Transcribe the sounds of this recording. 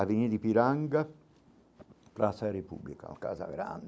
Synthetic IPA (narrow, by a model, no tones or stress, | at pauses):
avinid̪ipiɾaŋɡa | p̪ɾasaɾepṵblika̰ka̰ːza̰ɡɾa̰nd̪